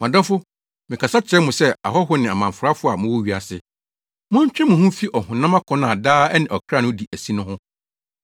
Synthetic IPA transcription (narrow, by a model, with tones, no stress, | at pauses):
mã˨dɔ̃˦fʊ˦ | mɪ̃˨kʰa˨sa˦t͡ɕʰɛ˦mʊ̃˨sɛ˦a̰˨ɦɔ˦ɦʊ˦nɪ̃˨a˨mã˨fʊ˨ɾa˦fʊ˦a˨mʊ̃˦wɔ˦ɥi˨a˨sɪ˨ | mʊ̃˦ɲ˦t͡ɕᶣɛ˦mʊ̃˨hʊ̃˦fi˦ʔɔ˨hʊ̃˨nã˦mã˦kʰɔ̃˦nã˨daː˦ɛ˦nɪ̃˨ɔ˨kʰɾa˦˨nʊ̃˦di˨ʔæ˨si˦nʊ̃˦hʊ̃˦